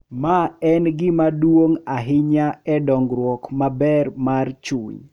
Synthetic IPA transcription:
maɛnɡɪmadwoŋaɦɪɲaɛdɔŋɡɾwɔkmabɛrmart͡ʃuɲ

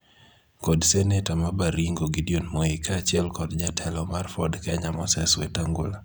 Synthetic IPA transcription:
kɔdsɛnetamabaɾiŋɡoɡidionmɔikaːt͡ʃɪɛlkɔdd͡ʒatʰɛlɔmarfɔdkɛɲamɔsɛswetaŋɡola

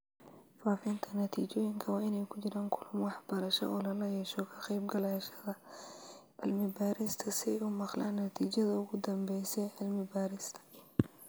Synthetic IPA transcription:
faːfɪnt̪ʰɐnɐt̪ʰiːt͡ʃɔːjɪŋkʰɐwɑːɪnɛjkʰʊt͡ʃɪɾaːŋkʰʊlʊmwɑħb̥ɐɾɐʃɐ̰ʔɔːlɐlɐjɛːʃɔkʰɐqɛjb̚ɡɐlaːʃɐðɐ | ʕɪ̰lmɪbaːɾɪst̪ʰɐsɪɛjʊmɑqla̰ːnːɐt̪ʰiːt͡ʃɐðɐʊɣʊd̪ɐmbɛjsɛʕɪlmɪbaːɾɪst̪ʰɐ̥

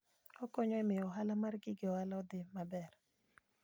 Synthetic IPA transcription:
ɔkoɲɔɛmɪjɔɦalamarɡɪɡɪɔhalaɔd̪ɪmabɛr

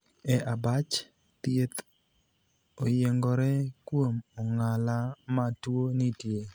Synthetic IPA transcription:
ɛʔabat͡ʃ | t̪jet̪ | ojeŋɡɔɾɛkwomɔŋalamatwonitje

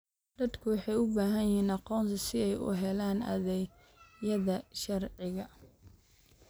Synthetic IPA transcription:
d̪̥ɐd̪kʰʊwɑħɑjʊbaːɦɐnhiːnɑqɔːnt̪ʰɐsɪɛjʊ̰ɦɛlaːnɐ̰ðɛ | jɐðɐʃɐrʕɪɣɐ

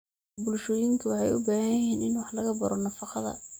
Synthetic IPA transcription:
bʊlʃɔːjɪŋkʰɐwɑħɑjʊbaːɣɐjjɐɦiːnɪnwɑħlɐɣɐbɐɾɔnɐfɑqɑðɐ̰

